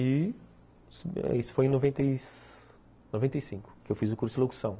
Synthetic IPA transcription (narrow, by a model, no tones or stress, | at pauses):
i | sisʊ̥fojẽnovẽnt̪e | novẽnt̪ejsĩŋkʊ̥kewfizʊkuɾsʊloku̥sɐ̃w̃